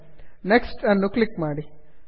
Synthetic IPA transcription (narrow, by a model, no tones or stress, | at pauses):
neksʈɐnːuklikmaːɽi